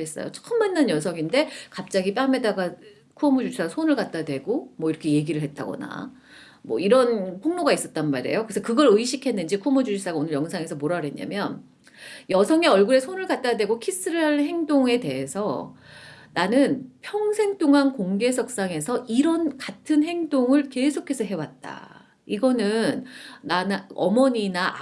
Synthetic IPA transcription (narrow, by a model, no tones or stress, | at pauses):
es͈ʌ̰jot͡ɕʰo̥k͈ɯmmanːɯnjʌsʰʌŋinde̞kap̚t͡ɕ͈aɡip͈ame̞daɡa | kʰuʌmud͡ʑud͡ʑis͈asʰonɯɭkat̚t͈adwe̞ɡomʌiɾʌkʰe̞je̞ɡiɾɯɭɦet̚t͈a̰ɡʌ̰na̰ | mwʌ̰iɾʌnpʰoŋnoɡais͈ʌt̚t͈anmaɾe̞̰jokɯesʰʌkɯɡʌɾɯiɕʰikʰe̞nːɯnd͡ʑikʰuʌmud͡ʑud͡ʑis͈aɡaonɯɭjʌŋsʰaŋe̞sʰʌmoɾaɾe̞ɲa̰mjʌn | jʌsʰʌŋe̞ʌɭɡuɾe̞sʰonɯɭkat̚t͈ajadwe̞ɡokʰis͈ɯɾɯɭɦanɦe̞ŋdoŋe̞te̞ɦe̞sʰʌ | nanɯnpʰjʌŋsʰe̞ŋt͈oŋɦankoŋɡe̞sʰʌk̚s͈aŋe̞sʰʌʔiɾʌnkatʰɯnɦe̞ŋdoŋɯɭke̞sʰokʰe̞sʰʌɦe̞wat̚t͈a̰ | iɡʌnɯnnanʌmʌɲina